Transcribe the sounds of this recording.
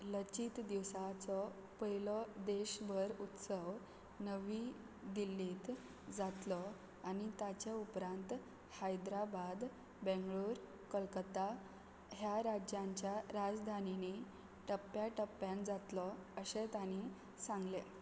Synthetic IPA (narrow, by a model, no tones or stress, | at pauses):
lət͡ɕiːt̪d̪iʋsat͡sɔ | pəɦilɔd̪eɕbəɾut̪səʋ | nəʋi | d̪ilːiːt̪ | d͡zat̪lɔ | anit̪at͡ɕaupɾãnt̪ | hajd̪ɾabad̪ | bẽŋɡɭuːɾ | kəlkət̪a | ɦjaɾad͡ʑjãɲt͡ɕjaɾad͡zd̪ʱanini | ʈəpːjaʈəpːjãnd͡zat̪lɔəɕet̪ani | sãŋɡle